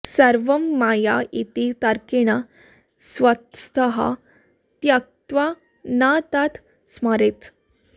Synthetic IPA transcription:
səɾʋəmːajait̪it̪aɾkeɽ̃a | sʋət̪st̪əɦa̰ | t̪jak̚t̪ʋa | nat̪at̪ʰ | smaɾet̪

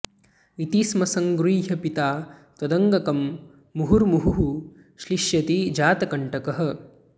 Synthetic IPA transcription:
it̪ismɐsɐŋɡɾiːɦɐpit̪aːt̪ʋɐd̪ɐŋɡɐkɐmː | uɦuɾmuɦuɦu | ʃliʃjɐt̪id͡ʒaːt̪ɐkɐɳʈɐkɐɦɐ̆

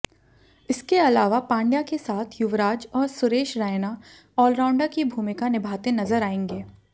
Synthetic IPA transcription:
ɪskeɐlaːʋapãːɳɖjakesaːt̪ʰjʊʋɾaːd͡ʒɔːɾsʊɾeːʃɾaːjna | ɔːlɾãːʊ̃ɳɖakibʱuːmɪkanɪbʱaːt̪enɐzəɾaːẽːŋɡeː

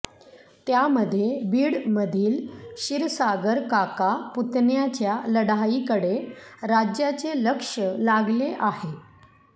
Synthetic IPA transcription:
t̪jaməd̪ʱːjebiːɽməd̪ʱiːlɕiɾsaɡəɾkakaput̪njat͡ɕjaləɽaikəɽeɾad͡ʑjat͡seləkʂəlaɡleʔaɦe

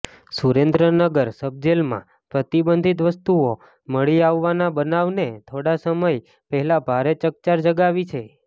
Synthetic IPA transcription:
suɾend̪ɾənəɡəɾsəb̚d͡ʒelmã̰ | pɾət̪ibənd̪ʱit̪̬ʋəst̪uo | məɭiaʋːanabənaʋnet̪ʰoɽasəməj | pəɦɛlabʱaɾet͡ʃək̚t͡ʃaɾd͡ʒəɡaʋit͡ʃʰe

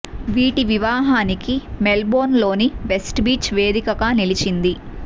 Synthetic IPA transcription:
ʋiːʈiʋiʋaːɦaːnikimelbo̞ːnlo̞ːniʋesʈbiːt͡ʃʋe̞ːd̪ikɐɡaːnilit͡ʃind̪i

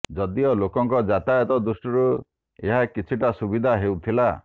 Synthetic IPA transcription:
d͡ʒɔd̪iɔlokɔŋkɔd͡ʒat̪ajɔt̪ɔd̪usʈɔɾu | eɦakit͡ʃʰiʈasubid̪ʱaɦewt̪ʰila

